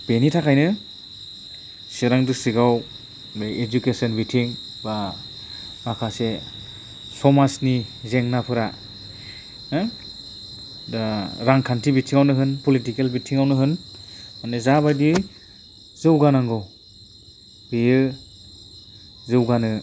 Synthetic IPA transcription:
b̥enitʰakʰajnɯ | seɾaŋdɯsiɡaw | bejed͡ʒukesɔnbitʰiŋ | ba | makʰase | sɔmasnizeŋnapʰɯɾa | dɾaŋkʰantʰibitʰiŋawnɯɦɯnpɔlitikelbitʰiŋawnɯɦɯnmanezabajdi | zɯwɡanaŋɡɯw | bijɯ | zɯwɡanɯ

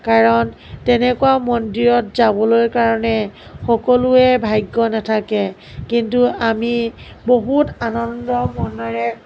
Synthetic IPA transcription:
kaɹɔn | tɛnɛkuwamɔndiɹɔt̚zabɔlojkaɹɔnɛxɔkɔluɛbʱajɡːɔnatʰakɛ | kintuami | boɦutanɔndɔmɔnɔɹɛ

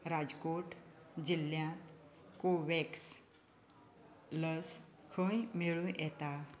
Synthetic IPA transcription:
ɾad͡zkoʈd͡ʑilːjãt̪koʋeks | ləskʰə̃jmiɭũjʔɛt̪a

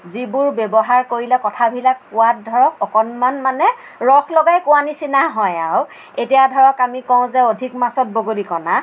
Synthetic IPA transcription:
zibʊɹbɛbɔɦaɹkoɹilɛkɔtʰabʱilakːʊwat̚dʱɔɹɔkɔkɔnmanmanɛ | ɹɔxlɔɡajkʊanisinaɦɔjaw | etijadʱɔɹɔkamikɔʊ̃zɛodʱikmasɔt̚boɡolikɔna

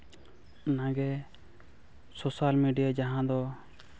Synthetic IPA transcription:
nãɡɛ | sosalmiɖijad͡ʒaɦãd̪ɔ

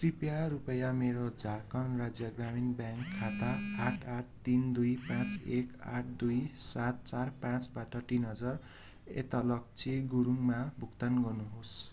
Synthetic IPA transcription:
kripjaɾupʌjameɾod͡zʱarkʌnrad͡zjʌɡraminbjaŋkʰːat̪aaʈʰaʈ̚ʰt̪ind̪ujpãt͡seka̰ʈ̚ʰd̪ujsat̪̚t͡sarpãt͡sbaʈʌʈinɦʌd͡zʌr | ḛt̪alʌk̚t͡sʰeɡuɾuŋmabʱukt̪anɡʌnuɦos

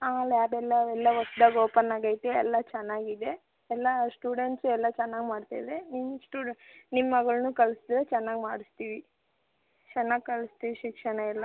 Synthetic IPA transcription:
aːljaːɾɛlːɐɛlːɐʋɐsd̪aːɡoːpɐnːaːɡɐjt̪eɛ̰lːɐt͡ʃɛnːaːɡid̪e̞ | ɛlːɐsʈuːɽeɳʈsuɛlːɐt͡ʃɛnːaːɡmaːɖt̪a̰jd̪eninusʈuːnimːɐɡɐɭnuːkɐɭɐsid̪ɾet͡ʃɛnːaːɡmaːɽist̪iːʋi | t͡ʃɛnːaːɡkɐɭɐst̪iːʋiʃikʂɐɳɐɛlːɐ

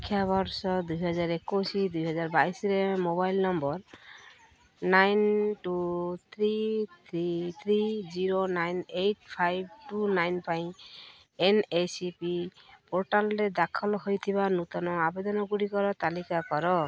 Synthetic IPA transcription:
kʰːjabɔɾsɔd̪ujɦɔd͡ʒaɾekosid̪ujɦɔd͡ʒaɾbajsɔɾemobajlnɔmbɔɾ | najnʈut̪ʰɾit̪ʰɾit̪ʰɾid͡ʒiɾonajneʈ̚pʰajb̚ʈunajnpaĩ | enesipipoɾʈalɔɾed̪akʰɔlɦojt̪ʰibanut̪ɔnɔabed̪ɔnɔɡuɽikɔɾɔt̪alikakɔɾɔ

